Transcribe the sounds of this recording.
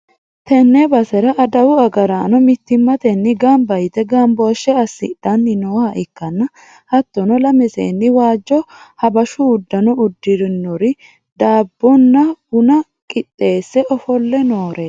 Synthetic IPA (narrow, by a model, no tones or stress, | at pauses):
t̪ɛnːɛbɐsɛɾɐʔɐd̪ɐwʊɐɡɐɾaːnɔmɪt̪ːɪmːɐt̪ɛnːɪɡɐmbɐjɪt̪ɛɡɐmboːʃɛɐsːɪ̰d̪̥ɐnːɪnɔwɐʔɪkːɐnːɐ | hɐt̪ːɔnɔlɐmɛsḛːnːɪwaːd͡ʒːɔhɐbɐʃʊːd̪ːɐnɔʊd̪ːɪɾnːɔɾɪ | d̪aːbːɔnːɐʊnɐ | kʼɪt̪ʼːe̞ːsːɛʔɔfɔlːɛnoːɾʔeː